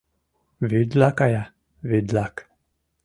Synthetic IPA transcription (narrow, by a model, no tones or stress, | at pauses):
ved̪lakaja | ved̪lak